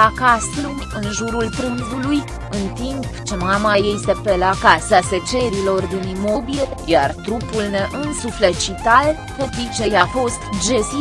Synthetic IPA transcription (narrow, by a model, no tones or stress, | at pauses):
akast̪lu | ɨnʒuɾulp̪ɾɨnzuluj | ɨnt̪impt͡ʃe̞mamajest̪e̞pe̞lakasaset͡ʃe̞ɾilo̞rd̪ɨnimo̞biejart̪ɾupulne̞ʔɨnsuflet͡ʃit̪al | pepit͡ʃe̞jafo̞st̪d͡ʒe̞si